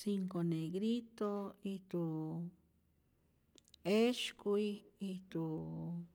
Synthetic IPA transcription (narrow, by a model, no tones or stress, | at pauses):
siŋkoneɡɾit̪oit̪u | eʃkʷiit̪u